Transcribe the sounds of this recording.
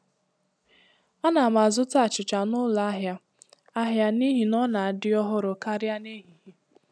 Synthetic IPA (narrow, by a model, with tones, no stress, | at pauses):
a˦na˨ma˨zʊ˦ta˦˨t͡ʃɪ˨t͡ʃa˨nʊ˦la˦ɦja˨ | a˦ɦja˨ni˦ɦi˨nɔ˦na˨a˨dɪ˦ɔ˦ɦʊ˦ɾʊ˨ka˦ɾja˦ne˦ɦi˨ɦi˦